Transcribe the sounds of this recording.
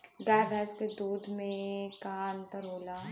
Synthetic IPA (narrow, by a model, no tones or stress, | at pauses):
ɡaːjbʱɛːsked̪uːd̪ʱmẽkaə̃nt̪əɾoːla